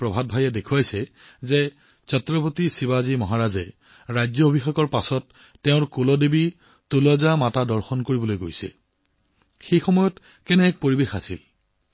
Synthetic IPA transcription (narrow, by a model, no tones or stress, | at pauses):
pɹɔbʱad̚bʱajɛdekʰuajsɛ | zɛ | sɔtɹɔpotisibazimɔɦaɹazɛ | ɹajzɔobʱixeɡɔɹpasɔtː | ɛʊ̃ɹkolɔdebi | tulɔzamatadɔɹxɔnkoɹibɔlojɡo̰jsɛ̰ | xejxɔmɔjɔt | kɛnɛːk̚poɹibexasḭl